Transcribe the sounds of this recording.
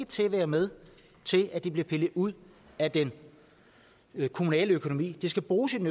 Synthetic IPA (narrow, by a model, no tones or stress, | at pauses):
ət͡sʰe̝ʋæːɐmeð̞ˠ | t͡sʰe̝lʔæd̥ib̥liɐpʰe̝ləð̩ˠuð̰ˠ | æd̥en | kʰo̝munɛ̰ːləøkʰo̝no̝mḭːd̥isɡ̥æb̥ʁuːsinø